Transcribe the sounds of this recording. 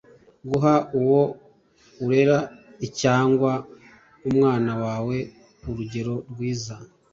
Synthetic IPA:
ɡuɦauwo̞ | uɾe̞ɾaicaːŋɡwa | umŋaːnawaːwe̞ | uɾuɟe̞ɾo̞ɾɡwiːza

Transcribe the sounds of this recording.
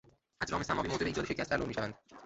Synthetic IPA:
ʔæzɾɒːmesæmɒːviːmoːt̪eeiːd͡ʒɒːd̪eʃecʰæst̪ːæloɾmiːʃævænd̪

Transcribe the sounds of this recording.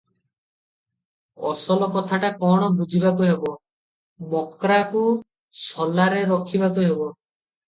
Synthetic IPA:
ɔsɔlɔkɔt̪ʰaʈakɔɽ̃ɔbud͡ʒʱibakuɦebɔ | mɔkɾaku | sɔlaɾeɾɔkʰibakuɦebɔ

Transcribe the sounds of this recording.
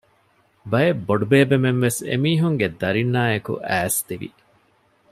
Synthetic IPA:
bɐjebːoɖubeːbemenʋesḛmiːɦuŋɡed̪ɐɾinːaːekṵʔæːst̪iʋḭ

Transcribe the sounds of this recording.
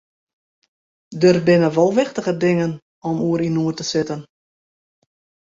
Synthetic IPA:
dərbɪnəʋɔlˠʋɪxtəɣədɪŋən | ɔmuəɾinuərtəsɪtən

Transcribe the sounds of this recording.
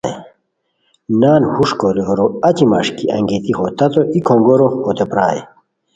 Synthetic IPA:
e | naːnhuʂkoɾiɦoɾoɐt͡ɕimɐ̰ʂkiɐ̰ŋɡet̪ixot̪ɐt̪oʔikʰõŋɡoɾoot̪epɾa̰ːḛ

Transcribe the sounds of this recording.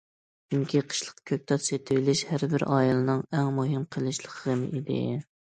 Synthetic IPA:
t͡ʃyŋkʲʰiqʰə̥ʃlˠəqkʲʰøk̚ʲt̪ʰɑt̪set̪ʰɪwɪlɪʃhæɾbɪɾʔɑːjɑlˠɨnɨŋæŋmuɦɨmqʰəlˠɨʃlˠəqʰəəmḭd̪ɪ̰

